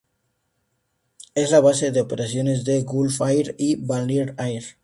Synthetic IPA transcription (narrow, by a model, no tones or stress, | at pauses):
ezlaβ̞aseðeopeɾasjonezðeɣulfajɾiβaliɾajɾ